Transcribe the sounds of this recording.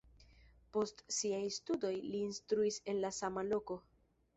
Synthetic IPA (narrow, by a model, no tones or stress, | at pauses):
po̞stsiajstudo̞jliːnstɾuise̞nlasamalo̞ko̞